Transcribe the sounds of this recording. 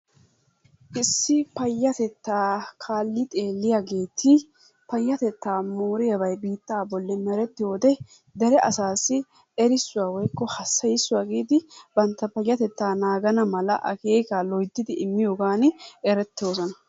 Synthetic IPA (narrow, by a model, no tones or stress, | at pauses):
ʔɪsːɪpɐjːɐt̪ɛt̪ːaːkʰaːlːɪt̪ʼe̞ːlːɪjaːɡe̞ːt̪ʰɪ | pɐjːɐt̪ɛt̪ːaːmoːɾɪjɐbɐjbiːt̪ːaːbɔlːɛmɛɾɛt̪ːɪjo̞ːd̪ɛ | d̪ɛɾɛʔɐsaːsːɪ | ɛɾɪsːʊwaːwɔjkːɔhɐsːɐjɪsːʊwaːɡiːd̪ɪbɐnt̪ːɐpɐjːɐt̪ɛt̪ːaːnaːɡɐnɐmɐlɐʔɐ̰keːkaːlɔjd̪ːɪd̪ɪɪmːɪjoːɡaːnɛɾɛt̪ːoːsɔnɐ